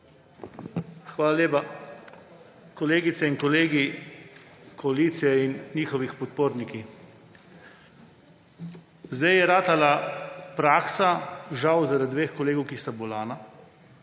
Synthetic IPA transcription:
xʋaːlalʲjeːpa | kɔleːɡit̪sɛinkɔleːɡi | kʰɔaliːt̪sijɛinːiːxɔʋixpɔt̪̚poːɾniki | zd̪ajjɛɾaːt̪alapɾaːksaʒawzaɾad̪dʋeːxkɔleːɡowkist̪abɔlaːna

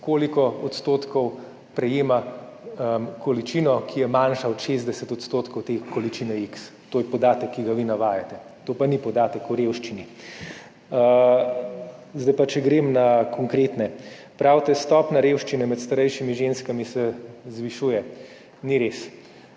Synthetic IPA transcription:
koːlikɔɔt̪st̪oːt̪kɔw | pɾɛjeːma | kɔlit͡ʃinɔkʰijɛmanʃaɔt̪ʃezd̪ɛsɛt̪ɔt̪st̪oːt̪kɔwt̪eːkɔlit͡ʃinɛikst̪oːjɛpɔd̪aːt̪əkʰːiɡaʋinaʋaːjat̪ɛ | t̪oːpanipɔd̪aːt̪əkuɾewʃt͡ʃini | zd̪ajpat͡ʃɛɡɾemnakʰɔŋkɾeːt̪nɛ | pɾaːwt̪ɛst̪ɔpnaɾeːwʃt͡ʃinɛmɛt̪st̪aɾɛjʃimiʒenskamisɛzʋiʃujɛ | niɾes

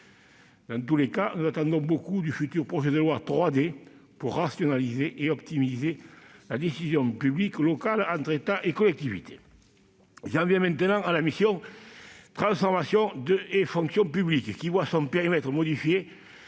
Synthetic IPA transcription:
d̪ɑ̃nt̪ulekanuzat̪ɑ̃nd̪ɔ̃bokud̪yfyt̪yʁpχɔʒed̪əlwat̪χwad̪e | puʁːasjɔnalizeʔeɔpt̪imizelad̪esizjɔ̃pyblikəlɔkalɑ̃nt̪χet̪aʔekɔlɛk̚t̪ivit̪e̥ | ʒɑ̃vjɛ̃mɛ̃nt̪ənɑ̃alamisjɔ̃ | t̪χɑ̃sfɔʁmasjɔ̃d̪əefɔ̃ŋksjɔ̃pyblikəkivwasɔ̃mpeʁimɛt̪χəmɔd̪ifje

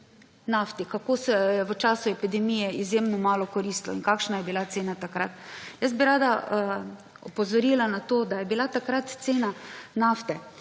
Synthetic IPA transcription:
naft̪ikakoːsɛɛʋət͡ʃaːsʊɛpid̪ɛmijɛizjemnɔmaːlɔkɔɾist̪lɔ̰inkakʃnajɛbilat̪seːnat̪akɾat̪jəs̬̚biɾaːd̪a | ɔpɔzɔɾilanat̪oːd̪ajɛbilat̪akɾat̪t̪seːnanaft̪ɛ

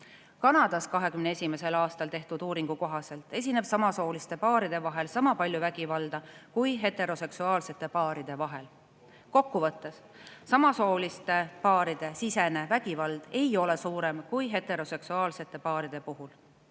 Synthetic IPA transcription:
kɑnɑd̪̥ɑskɑɦe̞kymnee̞sʲime̞se̞lɑːst̪ɑlt̪e̞ht̪ud̪̥uːɾiŋɡ̥uko̞ɦɑse̞lt̪ˑe̞s̬ʲine̞b̥sɑmɑso̞ːlist̪e̞pɑːɾid̪e̞vɑɦe̞lsɑmɑpɑlʲjuvæɡ̥ivɑld̪̥ɑkujɦe̞t̪ˑe̞ɾo̞se̞ksuɑːlse̞t̪ːˑe̞pɑːɾid̪̥e̞vɑɦe̞l | ko̞kːuvɤt̪ːˑes | sɑmɑso̞ːlist̪e̞pɑːɾid̪̥e̞sise̞ne̞væɡ̥ivɑld̪̥e̞jo̞le̞suːɾe̞mkujɦet̪ˑe̞ɾo̞se̞ksuɑːlse̞t̪ːˑe̞pɑːɾid̪̥e̞puɦul

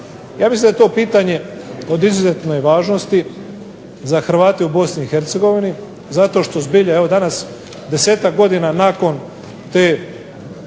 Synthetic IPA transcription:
jaːmislind̪aet̪o̞ːpiːt̪aɲe̞o̞d̪izuzet̪no̞jʋaːʒno̞st̪i | zaxɾ̩ʋaːt̪eubo̞sniːxe̞ɾt̪seɡo̞ʋini | zat̪o̞ːʃt̪o̞zbiʎaeʋo̞d̪anas | d̪e̞se̞ːt̪akɡo̞d̪inanako̞n | t̪eː

